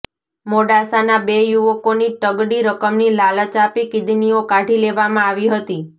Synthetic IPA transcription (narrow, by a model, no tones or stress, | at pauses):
moɖasanabejuʋəkoniʈəɡɽiɾəkəmnilalət͡ʃapikɪd̪ʱniokaʈʰileʋamãaʋiɦət̪i